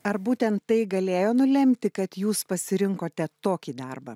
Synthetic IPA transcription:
ɐɾbuːt̪ʲɛnt̪ːɐɪɡɐlʲeːjoːnʊlʲɛmʲt̪ʲɪkɐt̪juːspɐsʲɪɾʲɪŋkoːt̪ʲɛt̪oːkʲiːd̪ɐrbɐ̰

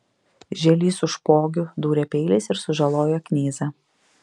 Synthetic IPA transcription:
ʒʲɛlʲiːsʊʃpoːɡʲʊd̪uːɾʲeːpʲɛɪlʲɪsɪɾsʊʒɐlˠoːjoːknʲeːzʲɐ

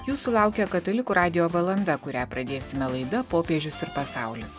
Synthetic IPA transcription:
juːsulˠɑˑʊkʲɛkɐt̪ɐlʲɪkuːɾɑːd̪ʲɪjoːʋɐlˠɐnd̪ɐkʊɾʲæːpɾɐd̪ʲeːsʲɪmʲɛlˠɐɪd̪ɐpoːpʲeːʒʲʊsɪɾpɐsɑˑʊlʲɪs

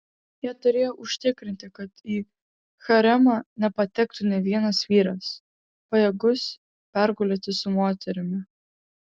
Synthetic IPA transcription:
jiɛt̪ʊɾʲeːjoːʔʊʃʲt̪ʲɪkɾʲɪnʲt̪ʲɪkɐt̪iː | xɐɾʲɛmɑːnʲɛpɐt̪ʲɛkt̪ʊnʲɛʋʲiɛnɐsʋʲiːɾɐs | pɐjɛɡʊs | pʲæɾɡʊːlʲeːt̪ʲɪsʊmoːt̪ʲɛɾʲɪmʲɪ

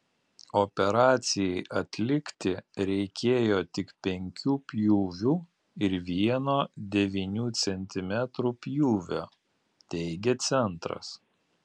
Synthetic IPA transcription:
oːpʲɛɾɑːt̪sʲɪjɛɪʔɐt̪ʲlʲɪkt̪ʲɪɾʲɛɪkʲeːjoːt̪ʲɪkpʲɛŋʲkʲuːpʲjuːʋʲuː | ɪɾʋʲiɛnoːd̪ʲɛʋʲinʲuːt̪sʲɛnʲt̪ʲɪmʲɛt̪ɾuːpʲjuːʋʲo̰ː | t̪ʲɛɪɡʲɛt̪sʲɛnt̪ɾɐ̰s

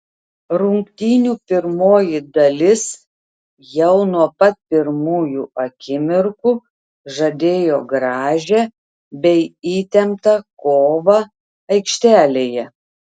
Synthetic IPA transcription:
ɾʊŋkt̪ʲiːnʲuːpʲɪɾmoːjɪd̪ɐlʲɪs | jɛʊnuɔpɐt̪̚pʲɪɾmuːjuːɐkʲɪmʲɪɾku | ʒɐd̪ʲeːjoːɡɾɑːʒʲɛ | bʲɛɪiːt̪ʲɛmt̪ɐkoːʋɐ | ɐɪkʃʲt̪ʲæːlʲeːjɛ

